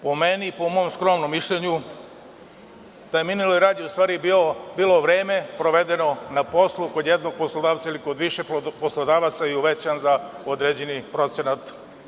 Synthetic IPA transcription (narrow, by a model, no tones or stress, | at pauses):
po̞menipo̞mo̞omskɾomnomːiʃʎeɲu | t̪ajeminilojɾaːd̪ioust̪ʋaːɾibiobiːlo̞ʋɾe̞ːme̞pɾoʋe̞d̪e̞no̞napo̞slˠuko̞d̪jed̪noɡ̚poslˠod̪aːʋt̪sailiko̞d̪ʋiʃeposlod̪aːʋat̪sajiuʋet͡ɕanza | od̪ɾeːd͡ʑenipɾo̞t̪senat̪